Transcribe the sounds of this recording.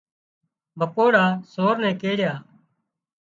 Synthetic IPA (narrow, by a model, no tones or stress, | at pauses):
bʱəkoːɽaːsoːɾnɛ̃ːkeːɽjaː